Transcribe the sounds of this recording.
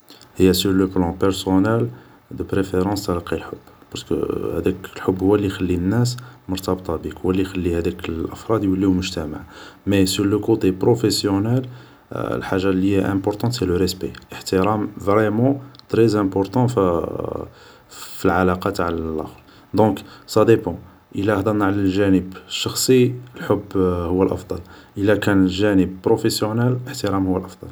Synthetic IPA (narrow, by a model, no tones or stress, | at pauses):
həjːæsyɾləplɑ̃pɛɾsonɛl | d̪əpɾefeɾɑ̃st̪ɑɾiqilħobːpɑɾskə̰hæd̪æklħobːhʊwːælːixælːinːæs̬mʊɾt̪ɑbt̪ˤɑbikwælːixælːihæd̪ækəlʔəfɾˤɑd̪jwəlːiumʊʒt̪æma̰ʕmesyɾləkot̪epɾofesjonɛl̰ | lħaʒːaliʔæ̰̃pɔɾt̪ɑ̃t̪sɛləɾɛspeəħt̪əɾɑmvʁɛmɑ̃t̪ɾezæ̃pɔɾt̪ɑ̃ | filʕalɑqɑt̪ʕlælʔɑ̰fl | d̪ɔ̃ksæd̪epɑ̃ | ʔəlæhd̪ˤɑnːaʕlælʒænəbʃːɑxsˤiəlħobːhʊwːəlʔɑ̰fd̪ˤɑl | ʔəlækænəlʒænəb̚pɾofesjonɛləħt̪əɾɑmhʊwːəlʔɑfd̪ˤɑl